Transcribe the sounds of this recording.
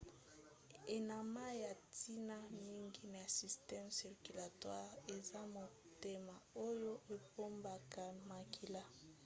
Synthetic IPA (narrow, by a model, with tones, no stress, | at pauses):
e˨na˨ma˦ja˨ti˦na˦mi˦ŋɡi˦na˨a˨si˨stɛ˦msi˨ʁky˨la˨twa˦ʁe˨za˦mo˨ | te˦ma˨o˦jo˦ʔe˨po˦mba˨ka˨ma˨kʰi˨la˦